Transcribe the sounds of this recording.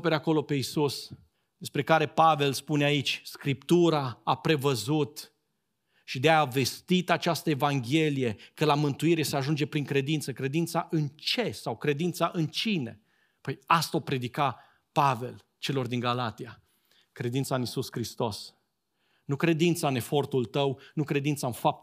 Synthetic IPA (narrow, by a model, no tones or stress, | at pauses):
opeɾako̞lo̞pe̞isus | d̪e̞spɾe̞kaɾe̞pave̞lspuneait͡ʃʲskɾipt̪uɾaapɾe̞vəzut̪ | ʃid̪eave̞st̪it̪at͡ʃast̪əevaŋɡʲe̞lije̞kəlamɨnt̪uiɾe̞se̞aʒund͡ʒe̞pɾiŋkɾe̞d̪int̪səkɾe̞d̪int̪saʔɨnt͡ʃe̞sawkɾe̞d̪int̪saʔɨnt͡ʃine̞ | pəjast̪opɾe̞d̪ika | pave̞l | t͡ʃe̞lo̞rd̪iŋɡalat̪ia | kɾe̞d̪int̪saɨnisuskɾist̪o̞s | nukɾe̞d̪int̪saɨne̞fo̞rt̪ult̪əwnukɾe̞d̪int̪saɨnfap̚t̪